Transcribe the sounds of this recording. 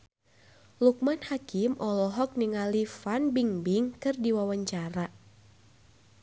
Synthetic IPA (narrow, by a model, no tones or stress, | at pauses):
luk̚manhakimʔɔlɔɦɔk̚niŋalifanbiŋbiŋkɨrdiwawaɲt͡ʃaɾa